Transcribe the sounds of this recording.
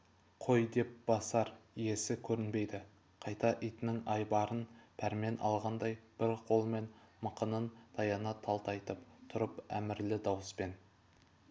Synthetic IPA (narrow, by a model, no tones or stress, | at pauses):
qʰo̞jd̪e̞p̚b̥ɑsɑɾije̞sɪkʲʰɵɾɪnbe̞jd̪ɪ | qʰɑjt̪ɑʔijt̪ɪnɪŋɑjbɑɾənpʰæɾme̞nʔɑ̰lˠʁɑnd̪ɑjb̥ɪɾqʰo̞lˠme̞nməqənənd̪ʰɑjɑnɑt̪ʰɑlˠt̪ɑjt̪əp̚t̪ʰʊɾəpæ̰mɪɾlɪd̪ɑwəspe̞n